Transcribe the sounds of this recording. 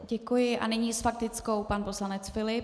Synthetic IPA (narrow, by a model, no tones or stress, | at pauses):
ɟɛkujɪʔa̰nɪɲiːsfak̚t̪ɪt͡sko̞wpanposlanɛt͡sfɪlɪ